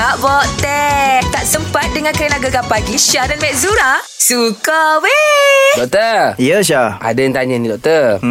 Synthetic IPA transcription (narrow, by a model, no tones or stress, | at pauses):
aʔbɔʔt̪ɛk̚t̪aʔsəmpat̪̚dəŋãnkainaɡaɡapaɡiʃadanmɛʔzuɾasukawedɔk̚t̪əijəʃ̬aa̰dajaŋt̪aɲənĩdɔk̚t̪ə